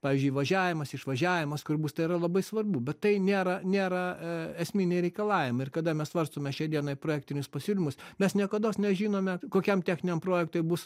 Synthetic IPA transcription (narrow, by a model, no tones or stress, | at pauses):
pɑːʋʲɪzʲd͡ʒʲʊɪʋɐʒʲæːʋʲɪmɐsɪʃʋɐʒʲæːʋʲɪmɐskʊɾbuːst̪ɐɪɾɐlˠɐbɐɪsʋɐrbuːbʲɛt̪tɐɪnʲeːɾɐnʲeːɾɐɛsʲmʲinʲɛɪɾʲɛɪkɐlˠɑːʋʲɪmɐɪɪrkɐd̪ɐmʲɛssʋɐrst̪oːmʲɛʃʲɛɪd̪ʲiɛnɐɪpɾoːjæːk̚t̪ʲɪnʲʊspɐsʲuːlʲɪmʊsmʲɛsnʲiɛkɐd̪oːsnʲɛʒʲiːnoːmʲɛkoːkʲɛmt̪ʲæːxʲnʲɪnʲɛmpɾoːjɛk̚t̪oɪbus